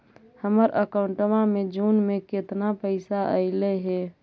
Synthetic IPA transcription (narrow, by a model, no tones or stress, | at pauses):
həməɾʔə̰kaʊɳʈəmamed͡ʒunmeket̪napəɪsaʔəɪleɦɛ